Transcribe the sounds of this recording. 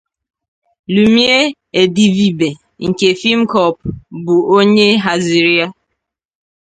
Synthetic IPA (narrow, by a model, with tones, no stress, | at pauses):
lu˨mi˦e˦ | e˨di˨vi˨be˨ | ŋ̩˨ke˨fi˦m̩˦kɔ˨p̚bʊ˨o˦ɲe˦ɦa˨zi˨ɾi˦a˦